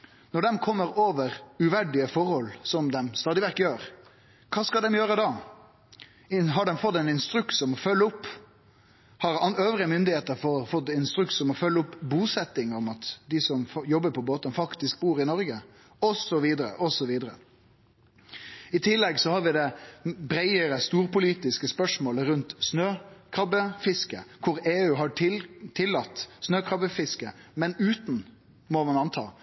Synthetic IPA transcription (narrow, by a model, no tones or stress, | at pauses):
nɔɖɛmkʰɔmːəɾoːʋəɾʉʋæɖɪəfɔɾhɔlsɔmd̪ɛmst̪ɑːd̪ɪʋɛɾt̪jøːɾ | kʰɑːskɑd̪ɛmjøːɾəd̪ɑː | ɪɦɑɖɛmfɔt̪ːɛɪnɪnst̪ɾʉkt̪sɔmɔfœlːəʊpː | hɑɾɑøːʋɾɪəmʏnd̪ɪheːt̪əɾfɔfɔt̪ːɪnst̪ɾʉksɔmɔfœlːəʊpːbuːsɛt̪ːɪŋɔmɑt̪d̪ɪsɔmfjɔbːəpʰɔboːt̪ənfɑkt̪ɪsk̚buːɾɪnɔɾɡə | ɔsɔʋiːd̪əɾə̰ʔɔsɔʋiːd̪əɾə̰ | ɪt̪ʰɪlːɛɡsɔhɑɾʋɪd̪ɛbɾæɪəɾəst̪uːɾpʊliːt̪ɪskəspœʂmoːləɾʉnt̪snøːkʰɾɑbəfɪskəkʰʊɾeːʉːɦɑɪt̪ʰɪlːɑt̪ːsnøːkʰɾɑbəfɪskəmɛnʉːt̪n̩ | mɔmɑnɑnt̪ʰɑ̰ː